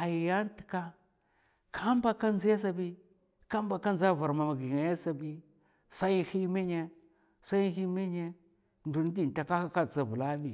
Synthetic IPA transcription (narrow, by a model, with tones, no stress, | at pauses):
a˨ji˨ja˦n˦ti̥˨ka˦ | kʰa˦m˦ba˦ka˦n˦zi˦ja˦s̬a˨bi˦ | ka˦mba˨ka˦nza˦˨va˨ɾma˨ma˨ɡi˨ŋa˨ja˦sa˨bi˦ | sa˦ji˦hi˦mi˦ɲe˦ | sa˦i˦hi˦mi˦ɲe˦ | ndu˨n˦di˨n˨ta˨ka˦ha˦ka˦t͡sa˨bu˨la˦bi˨